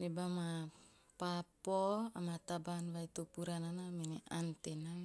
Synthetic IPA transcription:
nibama | papoamat̪abanwait̪upuɾananaminiʔant̪ena

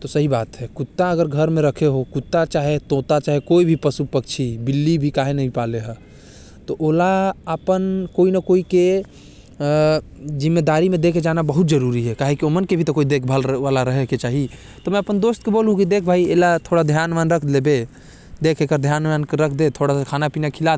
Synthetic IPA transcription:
t̪ɔsəɦibat̪ɦɛkut̪ːãəɡəɾɡʱəɾmẽɾəkʰeɦokut̪ːat͡ʃaɦet̪õt̪at͡ʃaɦekoibʱipəsupək̚t͡ʃʰibilːibʱikaɦenəɦĩpaleɦɛ | t̪ɔʔolaəpənkoinəkoike | zimːed̪aɾimẽd̪ekʰed͡ʒanabəɦut̪̚d͡ʒəɾuɾiɦɛkaɦekiomənkebʱit̪ɔkoid̪ekʰbʱəlʋalaɾəɦeket͡ʃaɦi | t̪ɔmɛ̃əpənd̪ost̪̚kebolɦũkid̪ek̚ʰbʱaielat̪ʰoɽad̪ʱjanʋanɾəkʰd̪lebe | d̪ekʰekəɾd̪ʱjanʋankeɾəkʰd̪et̪ʰoɽakʰanapinakʰila

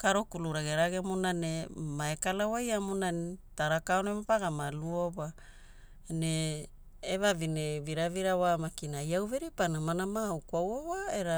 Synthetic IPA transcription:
kaɾokuluɾaɡeɾaɡemunanemaekalawajamunantaɾakaonemapaɡamaluoba | neː | vavineviɾaviɾawamakinajawveɾipanamanamawkwawowaeɾa

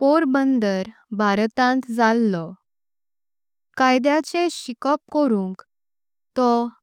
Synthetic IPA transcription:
poɾbənd̪əɾ | bʱaɾt̪ãnt̪d͡zalːɔ | kajd̪jat͡seɕikəp̚kəɾũŋk | t̪ɔ

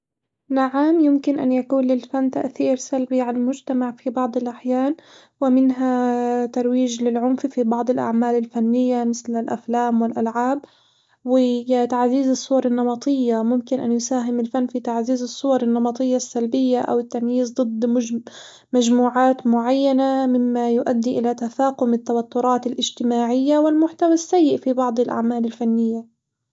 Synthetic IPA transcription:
naʕamjʊmkɪnʔa̰njakuːnlɪlfanːt̪a̰ʔθiːɾsalbiʕanalmʊd͡ʒt̪amaʕfibɑʕd̪ˤɪlʔaħjaːn | wɪmɪnɦat̪ɑɾˤwiːʒlɪlʕʊmfifibɑʕd̪ˤɨlʔa̰ʕmaːlɪlfanːɪjːamɪθlɪlʔaflaːmwɪlʔalʕaːb̚ | wɪt̪aʕziːzɨsˤːʊwɑɾˤɪnːɑbɑt̪ˤɨjːamʊmkɪnʔanjʊsaːɦɪmɪlfanːfit̪aʕziːzɨsˤːʊwɑɾˤɪnːɑbɑt̪ˤɨjːasːalbɪjːaʔa̰wɪt̪ːamjiːzd̪ˤɨd̪ | maʒmuːʕaːt̪mʊʕajːanamɪmːajʊʔad̪ːiʔɪlat̪afaːqʊmɪt̪ːawat̪ːʊɾˤɑːt̪ɪlʔɪʒ̥t̪ɪmaːʕɪjːawɪlmʊħt̪awasːajːɪʔfibɑʕd̪ˤɨlʔa̰ʕmaːlɪlfanːɪjːa

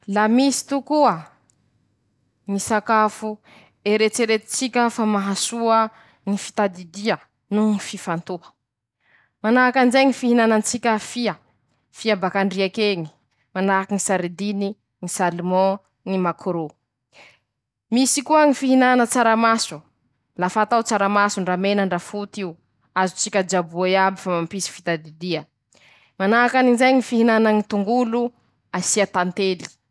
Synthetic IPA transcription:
lamisi̥t̪ukuə | ŋisakafu | eɾet͡seɾet̪i̥t͡sikʲəfamaɦasuə | ŋifi̥t̪ad̪id̪iə | nuŋififant̪uɦə̥ | manakanzeŋifiɦinanant͡sikʲəfiə | fiabakaɳɖ͡ʐiakeŋi̥ | manakiŋisaɾed̪ini | ŋisalmɔ̃ | ŋimakɾu | misikuəŋifiɦinanət͡saɾamasu̥ | lafaat̪awt͡saɾamasuɳɖ͡ʐamenaɳɖ͡ʐafut̪iu | azut͡sikʲəd͡ʒabuiabifamampisi̥fit̪ad̪id̪iə | manakaninzajŋifiɦinanəŋit̪uŋɡulu | asiat̪ant̪eli̥

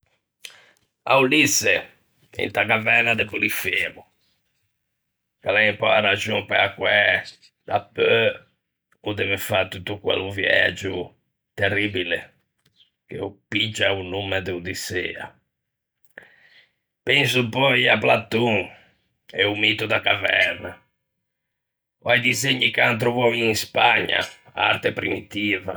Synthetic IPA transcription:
a̰ulisɛ | ḭnt̪aɡavɛnad̪ɛpolifeːmu | kalɛimpɔaɾad͡ʒuŋpɛakwɛ | d̪apːø | ud̪ɛvɛfat̪ut̪ːukwa̰luvja̰d͡ʒu | t̪ɛrːibile | keṵpid͡ʒːaunumɛd̪ɛud̪isɛ̰ːa̰ | pɛnsupɔjaplat̪ːuŋ | ɛumit̪ud̪akavɛrna | ɔajd̪izeɲːikant̪̬ɾɔvowiŋspaɲːa̰ | a̰ɾt̪epɾḭmḭt̪iːva̰

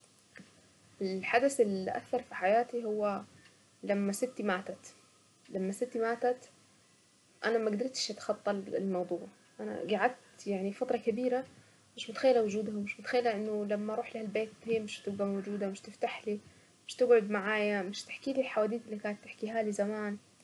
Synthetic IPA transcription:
ʔɪlħad̪asɪlʔa̰kθɑɾˤfiħajaːt̪iɦʊwːa | lamːasɪt̪ːimaːt̪at̪ | lamːasɪt̪ːimaːt̪at̪ | ʔanamaɡd̪ɑɾˤt̪ʃʔat̪ḁxɑt̪ˤːɑlɪlmɑwd̪ˤuːʕ | ʔana̰ɡaʕad̚t̪jaʕnifɑt̪ɾˤɑkabiːɾa | mɪʃmʊt̪xajːalawʊd͡ʒuːd̪aamɪʃmʊt̪xajːalaʔɪnːʊlamːaɾuːħlahalbeːt̪̚hiːmɪʃt̪ɪɡ̚bamwʊd͡ʒuːd̪amɪʃt̪ɪft̪aħli | mɪʃt̪ɪɡʕʊd̪maʕaːjamɪʃt̪ɪħkiːlilħawaːd̪iːtʔɪlːikaːnat̪ːɪħkiɦaːlizamaːn

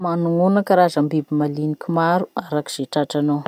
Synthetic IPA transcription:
manuŋunakaɾazambibimalinikʲimaɾuaɾaki̥z̥eʈ͡ʂaʈ͡ʂanaw

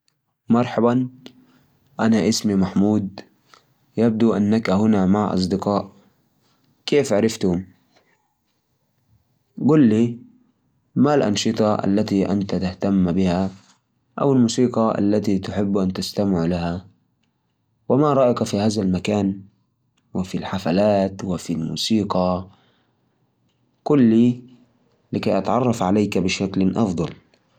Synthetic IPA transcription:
mɑɾˤħɑbɑn | ʔanaʔɪsmimaħmuːd̪̚ | jab̚d̪uʔa̰nːakahʊnamaʕʔɑ̰sˤd̪ɪqɑːʔ | keːfʕaɾˤɑft̪hʊm | ɡuːlːi | malʔɑ̰nʃɨt̪ˤɑʔa̰lːat̪iʔa̰nt̪at̪aht̪amːbɪha | ʔa̰wɪlmuːsiːqɑʔa̰lːat̪it̪ʊħɪbːʔant̪ast̪amɪʕlaɦa | wɪmaɾˤɑːʔɪkafihaːzalmakaːn | wɪfilħafalaːt̪wɪfilmṵːsiːqɑ | kʊlːi | lɪkajʔɑt̪ʕɑrˤːɑfʕalaːkabɪʃaklʔɑfd̪ˤɑl

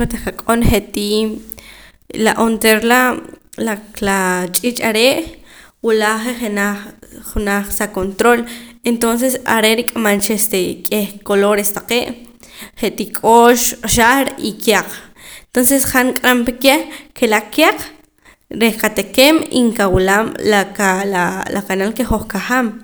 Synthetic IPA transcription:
ot̪akakʼonχeʔt̪i | laʔont̪eɾla | lalat͡ʃʼit͡ʃʼaɾeʔwulaχeχenaχχunaχsakont̪ɾolent̪ons̬esa̰ɾeʔɾikʼamant͡ʃest̪ekʼehkoloɾest̪aqeʔ | χeʔt̪ikʼoʃʃaɾḭkjaq͡χent̪onsesχankʼɾampekekelaʔkjaq͡χ | ɾeqat̪ekemḭŋkawulamlakalalakanalkeχoχkaχam

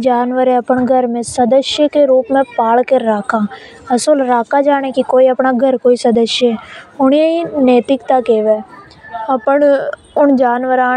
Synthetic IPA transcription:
d͡ʒaːnʋəɾɛ̃əpəɳɡʱəɾmẽːsəd̪əsjəkeɾuːpmẽːpaːlkeɾːaːkʰãː | əsolɾaːkaːd͡ʒaːneːkikoːiːəpɳaːɡʱəɾkoːiːsəd̪əsjɛːʊniẽineːt̪ɪkt̪aːkeːʋɛː | əpəɳ | ʊnd͡ʒaːnʋəɾaː

